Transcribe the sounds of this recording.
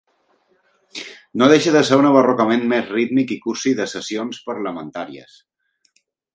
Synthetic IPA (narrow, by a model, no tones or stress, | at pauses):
noðeʃəðəseɾunəβərɔkəmenmezrit̪mikikuɾsiðəsəsionspəɾləmənt̪aɾiə̰s